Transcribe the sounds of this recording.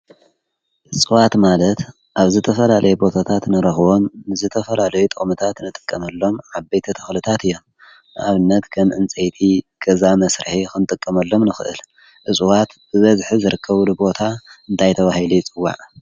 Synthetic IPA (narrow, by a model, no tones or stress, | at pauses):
ʔɨsʼɨwat̪malɐt̪ | ʔaβzɨt̪ʰɐfɐlalʔɐjɛbo̞t̪ʰat̪ʰat̪nɨɾɐxβo̞mːɨzɨt̪ʰɐfɐlalɐjut̪ʼɨχʼmɨt̪ʰat̪nɨt̪ʼɨ̥kʼːɐmɐlːo̞mʕabɐjt̪ʰit̪ʰɐxlɨt̪ʰat̪ɨjːo̞m | ʔaβɨnːɐt̪kʰɐmʔɨnt͡sʼejt̪ʰi | ɡ̥ɐzamɐsɾɨħixɨnɨt̪ʼɨkʼːɐmɐlːo̞mnɨxɨʔɨ̰l | ʔɨsʼuwat̪bɨβɐzħizɨɾɨkʰːɐβlubo̞t̪ʰaɨnt̪ʰajt̪ʰɐβahilujɪt͡sʼɨwːa̰ʕ